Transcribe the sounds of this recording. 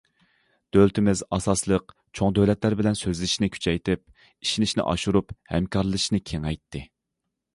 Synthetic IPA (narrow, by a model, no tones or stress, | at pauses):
d̪̥ølt̪ʰɪmɪzɑsɑslˠəq | t͡ʃʰoŋd̪øwlɛt̪læɾbɪlɛnsøzlɪʃnɪkʲʰy̥t͡ʃʰɛjt̪ʰɪp̚ | iʃinɪʃnɪ̰ʔɑ̰ʃuɾuphɛ̰mkʰɑɾlˠɨʃnɪkʲʰeŋɛjt̪ʰːɪ